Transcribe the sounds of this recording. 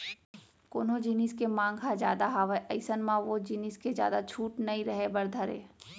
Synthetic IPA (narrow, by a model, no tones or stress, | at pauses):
koːnod͡ʒiniskemãːŋɡɦad͡ʒja̰ːd̪aɦaʋeʔɐɪsənmãʋod͡ʒiniskezja̰ːd̪at͡ʃʰuːʈnɐĩɾəɦebɐɾd̪ʱəɾḛː